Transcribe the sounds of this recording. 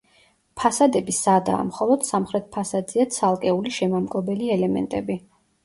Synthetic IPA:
pʰasad̪ɛbisad̪a̰ːmχɔlˠɔd̪̥samχɾɛt̪̚pʰasad̪ziat̪sʰalˠkʼɛuliʃɛmamkʼɔbɛliɛlɛmɛ̰nt̪ʼɛbi

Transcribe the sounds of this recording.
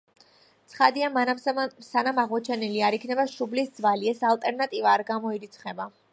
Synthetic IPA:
tt̪sʰχad̪iamsanamaʁmɔt͡ʃʰɛnɛliaɾikʰnɛbaʃublisd̪zvaliɛsalˠt̪ʼɛɾnat̪ʼivaːɾɡamɔiɾit̪sʰχɛba

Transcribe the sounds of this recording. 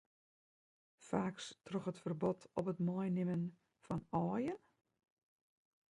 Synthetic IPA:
faːkstʰrɔxətfərbɔtʰɔpətmɔjnɪmən | fɔnɔːjən

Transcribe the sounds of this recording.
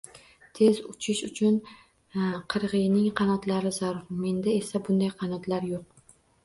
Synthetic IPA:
t̪ʰe̞zʊt͡ʃʰɪʃʊt͡ʃʰʊn | qʰɨɾʁɨjnɪŋqʰɑnɒt̪laɾɪzaɾʊɾme̞nd̪ae̞sabʊnd̪ajqʰɑnɒt̪laɾjoq̚

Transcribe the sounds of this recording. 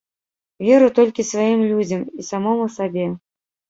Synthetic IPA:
vʲɛɾut̪ɔlʲkʲisvajimlʲud͡zʲɐmisamɔmusabʲɛ

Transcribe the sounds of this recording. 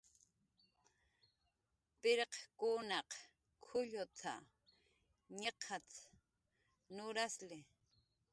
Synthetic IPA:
pɪɾeqkunɑq | kʰʊʎʊt͡s̪ʰa̰ | ɲeqʰat͡s | nʊɾaslɪ

